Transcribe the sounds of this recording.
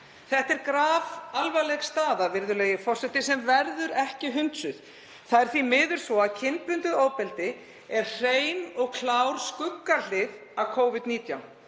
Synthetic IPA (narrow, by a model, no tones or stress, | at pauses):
θɛht̪ɛɾkɾaːvalvalɛɣst̪aːðavɪɾðʏleːjɪfɔr̥sɛt̪ɪsɛmvɛɾðʏɾɛhcɪɦʏnt̪sʏð | θaðɛɾ̥θvimɪːðʏɾ̥svɔaðcʰɪnpʏnt̪ʏðoːwpɛlt̪ɪ | ɛɾ̥r̥eːjnɔɣkʰlawɾ̥skʏkːal̥ɪð | avkʰoːwvɪt̪niːt̪jawn